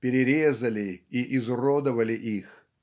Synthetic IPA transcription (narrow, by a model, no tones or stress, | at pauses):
pʲɪɾʲɪɾʲezəlʲɪiʔɪzrod̪əvəlʲɪʔix